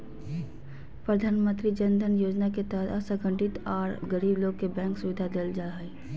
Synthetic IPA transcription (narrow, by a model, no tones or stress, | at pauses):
pɾəd̪ʱaːnmə̃nt̪ɾid͡ʒənd̪ʱənjoːd͡ʒnaket̪əɦət̪ʰəsəɡʱə̃ɳʈɪt̪ɔːɾɡəɾiːbloːɡ̚kebɛ̃ːŋksʊʋɪd̪ʱad̪eːld͡ʒaːe